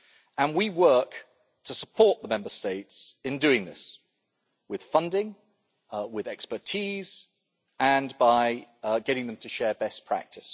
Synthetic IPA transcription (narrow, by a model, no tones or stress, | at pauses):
ʔə̃nwiwɜˑk | tʰəsəpʰɔˑʔðəmɛ̃mbəsteɪtsɪ̃ndʉɪ̃ŋðɪ̰s | wɪð̥fʌ̃ndɪ̃ŋ | wɪðɛkspə˞tʰiːz | ə̃nbaɪɡɛɾɪ̃ŋðə̃mtʰəʃɛːbɛspʰɹ̥æ̰k̚tʰɪs